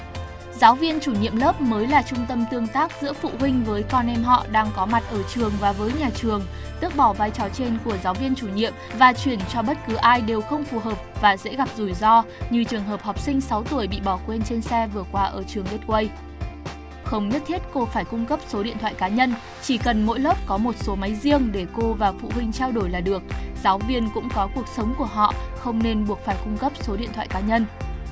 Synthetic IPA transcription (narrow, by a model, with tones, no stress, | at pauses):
zaː˨˦wvi˧ənt͡ɕu˧˩ɲḭ˧˨əmləː˦˥p̚məː˨˦jlaː˨˩t͡ɕʊ˧ŋ͡mt̪ə˧mt̪ɨ˧əŋt̪aː˦˥k̚zɨ̰˧˥əfṵ˧˨ɦï˧ŋ̟vəː˨˦jkɔ˧nʔɛ˧mɦɔ̰˧˨ɗaː˧ŋkɔ˨˦ma˨˩t̚ʔəː˧˩t͡ɕɨ˨˩əŋvaː˨˩vəː˨˦jɲaː˨˩t͡ɕɨ˨˩əŋ | t̪ɨ˦˥ək̚ɓɔ˧˩vaː˧jt͡ɕɔ˨˩t͡ɕe˧nku˧˩əzaː˨˦wvi˧ənt͡ɕu˧˩ɲḭ˧˨əmvaː˨˩t͡ɕwi˧˩ənt͡ɕɔ˧ɓə˦˥t̚kɨ˨˦ʔaː˧jɗe˨˩wxə˧wŋ͡mfu˨˩ɦəː˨˩p̚vaː˨˩zɛ̰˧˥ɣa˨˩p̚zu˧˩jzɔ˧ɲɨ˧˩t͡ɕɨ˨˩əŋɦəː˨˩p̚hɔ˨˩wp̚sï˧ŋ̟sa˨˦wt̪u˧˩əjɓḭ˧˨ɓɔ˧˩kwe˧nt͡ɕe˧nsɛ˧vɨ˨˩əkwaː˧ʔəː˧˩t͡ɕɨ˨˩əŋɗe˦˥t̚kwə˧j | xə˧wŋ͡mɲə˦˥t̚t̪ʰi˦˥t̚ko˧faː˧˩jkʊ˧ŋ͡mkə˦˥p̚so˨˦ɗḭ˧˨ənt̪ʰwa̰ː˧˨kaː˨˦ɲə˧n | t͡ɕi˧˩kə˨˩nmo̰˧˥jlo˦˥p̚kɔ˨˦mo˨˩t̚so˨˦ma˨˦jzi˧əŋɗe˧˩ko˧vaː˨˩fṵ˧˨ɦwï˧ŋ̟t͡ɕaː˧wɗo˧˩jlaː˨˩ɗɨ˨˩ək̚z̥aː˨˦wvi˧ənkʊ̰˧˥ŋ͡mkɔ˨˦ku˨˩ək̚sə˨˦wŋ͡mku˧˩əɦɔ̰˧˨xə˧wŋ͡mne˧nɓu˨˩ək̚faː˧˩jkʊ˧ŋ͡mkə˦˥p̚so˨˦ɗḭ˧˨ənt̪ʰwa̰ː˧˨jkaː˨˦ɲə˧n